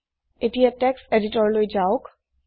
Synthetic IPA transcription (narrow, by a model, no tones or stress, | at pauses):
etijatɛkseditɔɹlojd͡ʒaʊk